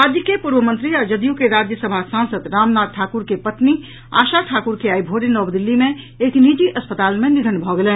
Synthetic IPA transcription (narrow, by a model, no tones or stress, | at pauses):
aːd͡ʒjəkepuɾbəmə̃nt̪ɾiəd͡ʒəd̪ijũkeɾaːd͡ʒjəsəbʱasãːnsəd̪ɾaːmnaːt̪̚ʈʰaːkuɾkepət̪ni | a̰ːʃaʈʰaːkuɾkeaːibʱoːɾinɔːd̪ɪlːimẽ | eːknid͡ʒiʔɐspət̪aːlmẽnɪd̪ʱənbʱɔɡelẽː